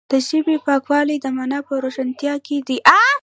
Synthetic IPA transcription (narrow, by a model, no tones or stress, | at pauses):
d̪̥əʒəbepɑkwɑlid̪əmanapəɾoʃant̪jɑked̪iʔa